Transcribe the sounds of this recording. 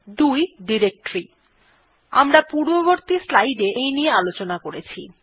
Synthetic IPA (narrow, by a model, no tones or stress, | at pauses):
d̪ujɖiɾek̚ʈɾi | a̰mɾapuɾboβoɾt̪islajɖeʔejniealot͡ɕonakoɾet͡ɕʰḭ